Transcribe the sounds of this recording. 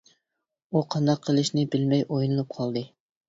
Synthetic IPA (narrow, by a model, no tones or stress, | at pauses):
uqʰɑnd̪ɑqʰːəlˠɨʃnɪbɪlmɛjʔojnɨlˠup̚qʰɑlˠd̪ɨ